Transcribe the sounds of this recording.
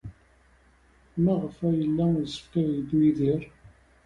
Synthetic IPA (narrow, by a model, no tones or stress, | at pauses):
mæʁəfæjəlːæsə̥fkːæjid̪wiðiɾˤ